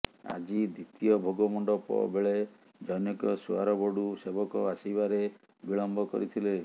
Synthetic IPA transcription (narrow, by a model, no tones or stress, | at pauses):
a̰d͡ʒid̪it̪iɔbʱoɡɔmɔɳɖɔpɔ̰beɭe | d͡ʒɔjnekɔsua̰ɾɔbɔɽusebɔkɔasibaɾe | biɭɔmbɔkɔ̰ɾit̪ʰile